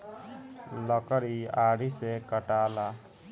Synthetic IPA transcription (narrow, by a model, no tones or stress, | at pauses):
lɔkəɾiaɽ̤isekəʈala